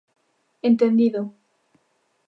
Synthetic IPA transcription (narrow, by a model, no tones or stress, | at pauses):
ent̪end̪iðo